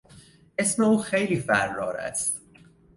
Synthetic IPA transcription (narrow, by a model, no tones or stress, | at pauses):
esmeuːxejliːfæɾːɒːɾæ̰st̪